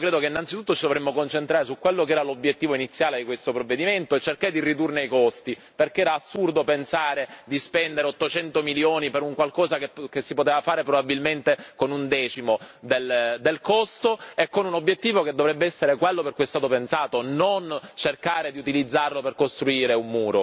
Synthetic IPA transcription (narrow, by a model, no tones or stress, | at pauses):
ikɾeːd̪okeinːant̪sit̪ut̪ːot͡ʃid̪ovɾemːokont͡ʃent̪ɾaːɾesukːwelːok̬eɛːɾalobːjet̪ːiːvoinit̪sːjaːled̪ikwest̪opɾovːed̪iment̪oet͡ʃːerkaɾed̪irid̪urneikost̪i | perkeɛːɾaːsːurd̪opensaːɾed̪ispɛnd̪eɾeot̪ːot͡ʃɛnt̪omiljoːnipeɾuŋkwalkɔːzakekesːipot̪eːvafaːɾepɾobabːilment̪ekonund̪ɛːt͡ʃimod̪eld̪elkost̪oekːonunobːjet̪ːiːvoked̪ːovɾɛbːeɛsːeɾekwelːopeɾrkujɛst̪aːt̪opensaːt̪onont͡ʃerkaːɾed̪iut̪ilid̪zːarloperkost̪ɾuiːɾeumːuːɾo